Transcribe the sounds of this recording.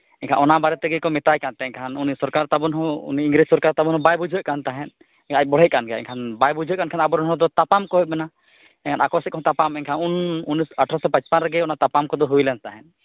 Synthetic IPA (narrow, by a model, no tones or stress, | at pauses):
ɛɲkʰanɔnabaɾɛt̪ɛɡɛkɔmɛt̪ajkant̪ɛɲkʰanunisɔɾkaɾt̪abɔnɦɔ̃ṵniiŋɡɾid͡ʒsɔɾkaɾt̪abɔnhɔbajbud͡ʒʱɔʔ̚kant̪aɦɛn | ɛkãac̚bɔɽ̤ɛʔ̚kanɡɛɛ̰ɲkʰanbajbud͡ʒʱɔʔ̚kankʰanabɔɾɔnɦɔ̃d̪ɔt̪apamkɔɦɔˀmɛna | ɛɲkʰanakɔsɛtkɔɦɔ̃t̪apamɛɲkʰanununisəʈʰɾasɔpãt͡ʃpanɾɛɡɛɔnat̪apamkɔd̪ɔɦujlɛnt̪aɦɛn